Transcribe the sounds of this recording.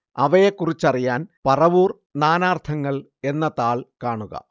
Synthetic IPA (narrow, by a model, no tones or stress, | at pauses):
ɐʋɐjekːurit͡ɕːɐrijaːnpɐrɐʋuːr | naːnaːrt̪ʰɐŋːɐɭ | e̞nːɐt̪aːɭkaːɳuɣɐ̰